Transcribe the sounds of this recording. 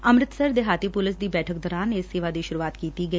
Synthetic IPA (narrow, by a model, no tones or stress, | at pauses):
əmɾɪt̪səɾd̪eɦaːt̪iːpulɪs̬d̪iːbɛːʈʰəkd̪ɔːɾaːneːsiʋaːd̪iːʃʊɾuʋaːt̪kiːt̪iːɡəi